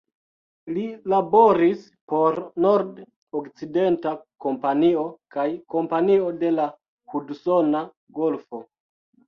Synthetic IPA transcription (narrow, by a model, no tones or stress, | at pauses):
lilabo̞ɾis | po̞ɾnoɾd | okt͡side̞ntako̞mpanio̞kajko̞mpanio̞de̞la | hudsona | ɡo̞lfo